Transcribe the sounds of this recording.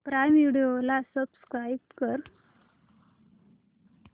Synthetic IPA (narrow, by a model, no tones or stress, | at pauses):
pɾajmʋiɽijolasəbskɾajb̚kəɾ